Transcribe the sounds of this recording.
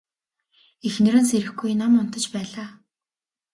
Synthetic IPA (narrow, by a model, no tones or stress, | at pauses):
exnɘ̆ɾɘ̆nseɾɘ̆xɡujnamʊnt̪ə̆t͡ɕpæːɮaː